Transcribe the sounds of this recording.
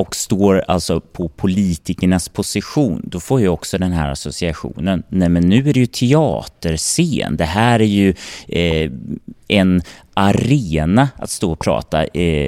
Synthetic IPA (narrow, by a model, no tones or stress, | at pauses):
ɔkst̪oːɾa̰lt̪sɔpʰɔpʰʊliːt̪ɪkəɳaspʰʊsɪɧuːnd̪ɔfoːɾjaɔksɔd̪ɛnɦæ̰ːɾa̰sʊsɪaɧṵːnənnɛmɛnːʉ̟ːæɾɛjɵt̪ʰɛɑ̰ːt̪əɾseːnd̪ɛɦæːɾæɾjɵ | ʔɛn | ʔaɾeːnaa̰t̪st̪oːɔpʰɾɑ̰ːt̪a̰